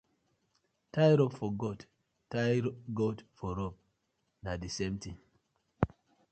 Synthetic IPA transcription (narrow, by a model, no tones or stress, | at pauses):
tajɾɔbfɔɡɔd | tːajɡɔdfɔɾɔb̚ | nadisɛ̃mtĩŋ